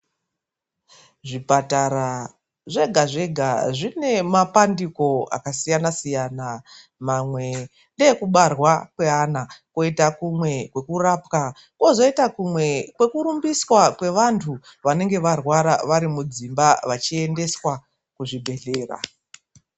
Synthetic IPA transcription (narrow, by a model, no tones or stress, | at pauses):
ʐipataɾa | ʐe̞ɡʱaʐe̞ɡʱaʐine̞mapandiko̞a̰kasijanasijana | mamwe̞ | ndeekuɓarwakwe̞ɦanako̞itakumwe̞kwe̞kurapka | ko̞zo̞itakumwe̞kwe̞kuɾumbiswakwe̞ʋantʰuʋane̞ŋɡe̞ʋarwaɾaʋaɾimud͡zimbaʋat͡ʃie̞nde̞swa | kuʐibʱe̞ɮe̞ːra̰